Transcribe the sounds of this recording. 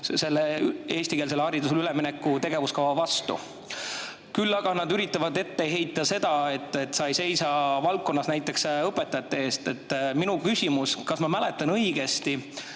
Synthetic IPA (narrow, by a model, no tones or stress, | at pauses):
se̞lːee̞ːsʲt̪ikeːlseːɑɾid̪us̬eyleminekːˑut̪e̞ɡ̥e̞vuskɑvɑvɑst̪ṵ | kylːɑɡ̥ɑnɑd̪yɾit̪ˑːɑvɑd̪e̞t̪ːe̞ɦe̞jt̪ːˑɑse̞d̪̥ɑe̞t̪ːˑe̞t̪ːˑsɑjse̞jsɑvɑlkːo̞nːɑsnæjt̪ːˑe̞ksɤpːˑe̞t̪ːˑɑjɑt̪ːˑe̞e̞ːst̪e̞t̪ːˑminukysʲimuskɑsmɑmæle̞t̪ːˑɑnɤjɡ̥e̞st̪i